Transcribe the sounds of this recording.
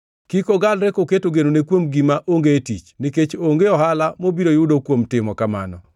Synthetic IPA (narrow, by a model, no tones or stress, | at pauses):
kikoɡalɾekoketoɡenonekwomɡimaʔoŋɡeːtḭt͡ʃniket͡ʃoŋɡeɔɦalamobiɾojʊdokwomtɪmɔkama̰nɔ